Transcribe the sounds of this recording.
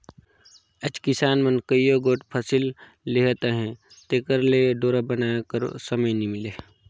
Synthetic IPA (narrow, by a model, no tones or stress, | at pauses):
əd͡ʒkɪsaːnmənkəijoɡoːʈpʰəsilː | eɦt̪aɦɛ̃ | t̪eːkəɾleɖoːɾabənaːjakəɾo̰səməjnimɪleː